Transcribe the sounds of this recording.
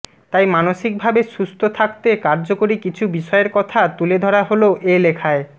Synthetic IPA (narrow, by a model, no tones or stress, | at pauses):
t̪ajmanoʃik̚bʱabeʃust̪ʰot̪ʰak̚t̪ekaɾd͡ʑokoɾikit͡ɕʰubiʃɔeeɾkɔt̪ʰat̪uled̪ʱɔɽaɦoloʔelekʰae